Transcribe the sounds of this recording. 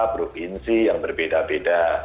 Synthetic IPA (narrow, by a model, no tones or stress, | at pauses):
pɾofinsijaŋbərbedabeda